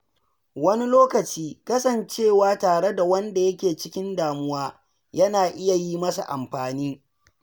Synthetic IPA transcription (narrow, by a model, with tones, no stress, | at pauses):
wɐ˦ni˦loː˦kɐ˨t͡ʃiː˦kɐ˦sɐ˨nt͡ʃeː˦˨waː˦taː˨ɽe˦da˨wɐ˦nda˨jɐ˦kʲeː˨t͡ʃɪ˦kʲɪ˦ndaː˨mʊ˦waː˦ | jɐ˦naː˨ʔɪ˦ja˨jiː˦mɐ˦sa̰˨ʔa̰˨mɸaː˨niː˦